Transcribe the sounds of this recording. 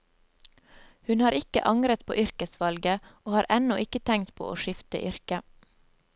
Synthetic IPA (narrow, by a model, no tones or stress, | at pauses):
hʉnhɑːɾɪkə̰ʔɑŋɾət̪pʰo̰ːʔʏɾkəsʋɑlɡəoːhɑːɾʔɛnɔʔɪkət̪ʰɛŋt̪pʰo̰ːʔo̰ːʃɪft̪ə̰ʔʏɾkə